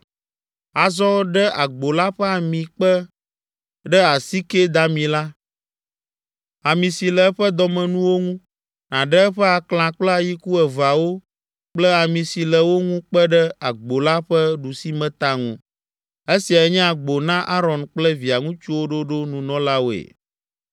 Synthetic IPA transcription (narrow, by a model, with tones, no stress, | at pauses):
a˨zɔ˦ɖɛ˦ʔa˨ɡ͡bo˨la˦ɸɛ˦a˨mĩ˨k͡pə˦ | ɖɛ˦a˨si˦ke˦d̪a˦mĩ˨la˦ | a˨mĩ˨si˨lə˨˦ɸə˦d̪ɔ˨mɛ̃˨nũ˦wo˦ŋũ˦ | nã˨ɖɛ˦ɛ˦ɸə˦a˨kl̃ã˨k͡plɛ˦a˨ji˦ku˦ɛ˨va˨wo˦ | k͡plɛ˦a˨mĩ˨si˨lə˨wo˦ŋũ˦k͡pə˦ɖɛ˦a˨ɡ͡bo˨la˦ɸɛ˦ɖu˨si˦mɛ̃˦t̪a˦ŋũ˦ | e˦si˨a˨ɛ˦ɲɛ̃˦a˨ɡ͡bo˨nã˦ʔa˦ɾɔ˨nk͡plɛ˦vi˨a˨ŋũ˦t͡ʃu˦wo˦ɖo˦ɖo˦nũ˨nɔ̃˦la˦wo˨ḛ˨